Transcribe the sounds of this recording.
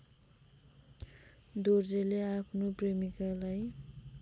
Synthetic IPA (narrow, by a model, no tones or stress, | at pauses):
d̪ord͡zeleapʰnopremikalaj